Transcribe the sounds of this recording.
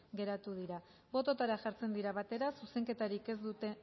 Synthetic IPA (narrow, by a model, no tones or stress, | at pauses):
ɡe̞ɾat̪uðiɾa | bo̞t̪o̞t̪aɾaʝaɾt͡se̞nd̪iɾaβat̪e̞ɾasuse̞ŋke̞t̪aɾike̞zd̪ut̪e